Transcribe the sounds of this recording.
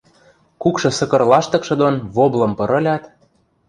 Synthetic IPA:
kukʃɤ̆sɤ̆kɤ̆rlɑʃt̪ɤ̆kʃɤ̆d̪onβoblɤ̆mpɤ̆ɾɤ̆lʲɑt̪

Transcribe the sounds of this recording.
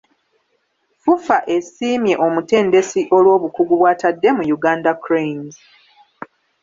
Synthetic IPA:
fufaʔe̞siːmje̞ʔo̞mute̞ːnde̞siʔo̞lwo̞ːβukuɡuβwaːtadːe̞mujuɡaːndakɾen

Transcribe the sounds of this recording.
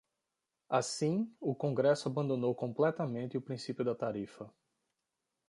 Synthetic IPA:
asĩʊkõŋɡɾɛsʊabɐ̃nd̪õnowkõmplɛt̪ɐmẽnt̪ɪʊpɾĩsipjʊd̪ɐt̪aɾifɐ

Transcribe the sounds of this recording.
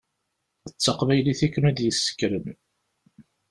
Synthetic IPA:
ət͡sːɑqvæjliθækːnæd̪jəsːə̥kːɾəm

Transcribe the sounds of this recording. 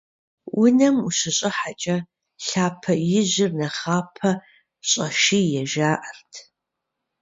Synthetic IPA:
wʊnɐmuɕɪɕʼɪħat͡ʃʼɐ | ɬaːpʰɐjɪʑɪrnɐχaːpʰɐ | ɕʼɐʃiːjɛʒaːʔɐrtʰ

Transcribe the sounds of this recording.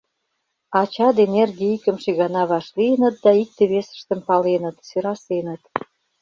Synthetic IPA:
ɑt͡ɕɑd̪enerɣeikə̆mʃeɣɑnɑβɑʃliənə̆t̪̚d̪ɑik̚t̪eβesə̥ʃt̪əmpɑlenə̆t̪syɾɑsenə̆t̪

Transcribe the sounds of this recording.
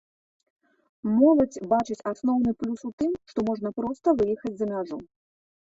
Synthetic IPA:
mɔlˠɐd͡zʲbat͡ʂɨt͡sʲasnɔwnɨplʲusut̪ɨmʂt̪ɔmɔʐnɐpɾɔst̪ɐvɨjixɐd͡zʲzɐmʲaʐu

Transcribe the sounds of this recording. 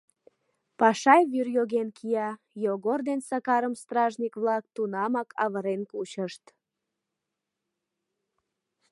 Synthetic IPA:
pɑʃɑjβyrjoɣenkʰijɑ | joɣord̪ensɑkɑɾəmst̪rɑʒnʲikβlɑk̚t̪unɑmɑkʰɑ̰βəɾenkut͡ɕəʃt̪

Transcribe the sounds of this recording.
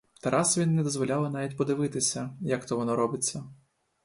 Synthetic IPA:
t̪ɐɾʔɑsɐʋʲinːɛd̪ɔzʋɔlʲalˠɐnɑʋʲitʲpɔd̪ɪʋɪt̪ɪsʲɐjɐkt̪ɔʋɔnɔɾɔbɪt͡sʲːɐ

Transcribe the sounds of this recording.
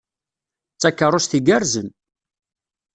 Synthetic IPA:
t͡sːækːərˤʊsθiɡæɾzən

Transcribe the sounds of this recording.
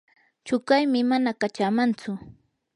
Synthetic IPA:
t͡ʃʊkajmɪmanakat͡ʃamant͡sʊ

